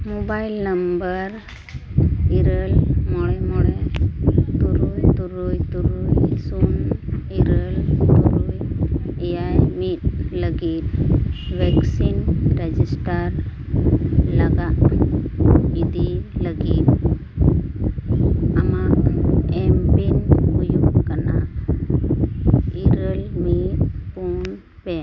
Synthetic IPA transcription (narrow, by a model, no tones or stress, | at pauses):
mobailnəmbəɾ | iɾəlmɔɽɛmɔɽe | t̪uɾujt̪uɾujt̪uɾujsuniɾəlt̪uɾujejajmit̪̚ləɡit̪̚ʋɛksinɾed͡ʒisʈəɾ | ləɡaʔ | id̪ʱiləɡit̪ | ama | ɛmbinujukana̰ | iɾəlmit̪kun | pe